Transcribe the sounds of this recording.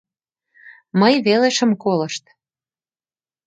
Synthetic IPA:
məjβeleʃə̆mkoləʃt̪

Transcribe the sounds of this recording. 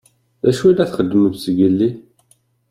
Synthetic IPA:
æʃuilːæθχəd̪ːəməvsəɡəlːi

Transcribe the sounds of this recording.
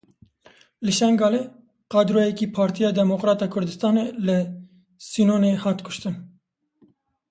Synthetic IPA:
lɨʃɛŋɡɑːle | qɑːd̪ɾoːjɛkiːpʰɑːɾt̪ʰijɑːd̪ɛmoqɾɑːt̪ɑːkʰʊɾd̪ɨst̪ɑːnelɨ | sinoːneːhɑːt̪kʰʊ̥ʃt̪ɨn

